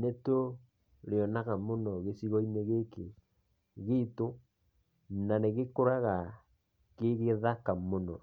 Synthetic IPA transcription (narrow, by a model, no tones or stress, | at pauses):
neto | leɔnaɣamonɔɣesiɣɔineɣeke | ɣeto | naneɣekoɾaɣa | keɣeðakamonɔ